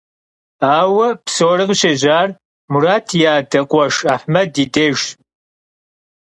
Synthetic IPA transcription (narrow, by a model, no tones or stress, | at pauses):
aːwɐpsoːrɨʁɕɐʑaːr | muɾaːtʰjaːdɐqʷʼɔʂaːħmɐdiːdeːʒ